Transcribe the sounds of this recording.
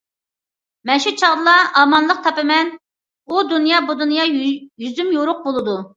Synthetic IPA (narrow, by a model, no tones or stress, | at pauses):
mɛnʃut͡ʃʰɑʁd̪ɨlˠɑʔɑmɑnlˠəq̚t̪ʰɑpɨmɛn | ud̪unjɑbud̪unjɑjyzymjoɾʊq̚bolˠɨd̪u